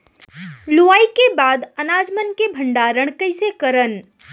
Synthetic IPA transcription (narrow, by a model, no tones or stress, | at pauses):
luʋaːikebaːd̪ənaːd͡ʒmənkebʱəɳɖaɾəɽ̃kəɪsekəɾən